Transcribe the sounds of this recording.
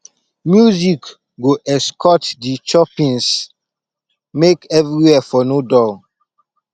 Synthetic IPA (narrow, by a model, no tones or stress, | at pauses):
mjuzik | ɡoʔɛskʰɔtdit͡ʃɔpĩns | mekɛvɾiwɛfɔnodɔl